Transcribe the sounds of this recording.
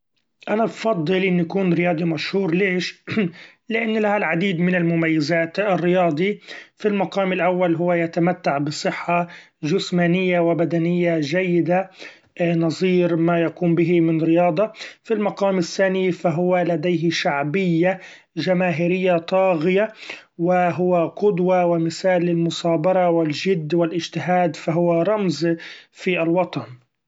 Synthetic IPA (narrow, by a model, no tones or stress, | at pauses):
ʔanabfɑd̪ˤːɨlʔɪnːjakuːnɾɪjɑːd̪ˤimaʃhuːɾleːʃ | lɪʔanːlahalʕad̪iːd̪mɪnɪlmʊmajːazaːt̪ɪrːɪjɑːd̪ˤifilmaqɑːmɪlʔawːalɦʊwːajat̪amat̪ːaʕbɨsˤɨħːa | ʒʊsmaːnɪjːawɪbad̪anɪjːaʒajːɪd̪a | nɑzˤiːɾmajakuːmbɪɦimɪnɾɪjɑːd̪ˤɑfilmɑqɑːmɪθːaːnɪfaɦʊwalad̪ejɦɪʃaʕbɪjːa | ʒamaːɦɪɾɪjːat̪ˤɑːɣɪjawɪɦʊwaqʊd̪wawɪmɪsaːlːɪlmʊsˤɑːbɑɾˤɑwɪlʒɪd̪ːwɪlʔɪd͡ʒt̪ɪɦaːd̪faɦʊwaɾˤɑmzfialwɑt̪ˤɑn